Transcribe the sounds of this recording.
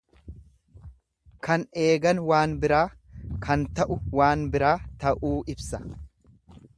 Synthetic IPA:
kɐne̞ːɡɐnwaːnbɪɾaːkʰɐnt̪ɐʔʊwaːnbɪɾaːt̪ɐʔuːʔɪbsɐ̥

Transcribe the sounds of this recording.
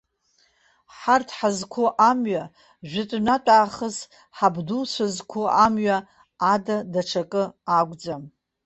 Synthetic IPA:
ħartʰħazkʷʰoʔamɥa | ʒʷᶣɪtʼnatʼaːχəs | ħabdulsʷʰazkʷʰoʔamɥaː | dadaʈ͡ʂʰakʼɨaɡʷʼd͡zam

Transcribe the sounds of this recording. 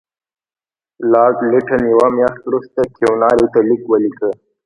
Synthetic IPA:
lɑːɾʈliʈʰənjawamjɑːʂt̪ɾust̪akʰewnɑːɾit̪alikwəlikə

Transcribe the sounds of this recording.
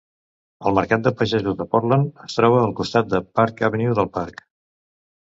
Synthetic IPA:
əlˠməɾkat̪̚d̪əpəʒɛzuzðəpɔɾlənəst̪ɾɔβ̞əːlˠkust̪at̪̚d̪əpaɾkəβəniwðəlˠpaɾk

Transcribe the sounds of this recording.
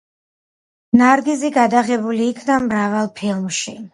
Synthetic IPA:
naɾɡiziɡad̪aʁɛbuliːkʰnamɾavalˠpʰilˠmʃi

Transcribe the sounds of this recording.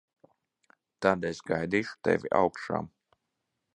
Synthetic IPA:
t̪ad̪ɛsɡajd̪iːʃu̥t̪ɛ̰viʔa̰wkʃa̰ːm

